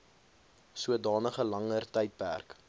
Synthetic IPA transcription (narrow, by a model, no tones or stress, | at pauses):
suədɑːnəχəlɐŋərtɛjt̚pæ̰rk